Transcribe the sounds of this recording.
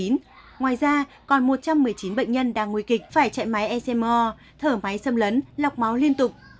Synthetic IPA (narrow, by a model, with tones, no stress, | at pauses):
i˨˦n | ŋwaː˨˩jzaː˧ | kɔ˨˩nmo˨˩t̚t͡ɕa˧mːɨ˨˩əjt͡ɕi˨˦nɓə̰˧˨ŋ̟ɲə˧nɗaː˧˩ŋːwui˧˩kï˨˩k̟̚faː˧˩jt͡ɕa̰ː˧˨jma˨˦jʔɛ˧sɛ˧mɔ˧ | t̪ʰəː˧˩ma˨˦jsə˧mlə˨˦nla˨˩wk͡p̚ma˨˦wli˧ənt̪ʊ˨˩k͡p̚